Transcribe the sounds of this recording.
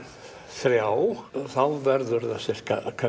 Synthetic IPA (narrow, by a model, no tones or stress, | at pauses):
θɾjaːwθawvɛɾðʏɾðasɛr̥ka̰kʰa